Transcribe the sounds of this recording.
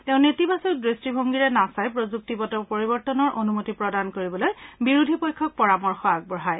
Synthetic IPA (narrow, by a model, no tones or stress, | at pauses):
tɛ̃ʊ̃netibasɔdɹistibʱoŋɡiɹɛnasajpɹozuk̚tibɔtɔpoɹibɔɹtɔnɔɹʔonumotipɹɔdankoɹibɔlojbiɹudʱipojkʰːɔk̚pɔɹamɔɹxɔak̚bɹɔɦaj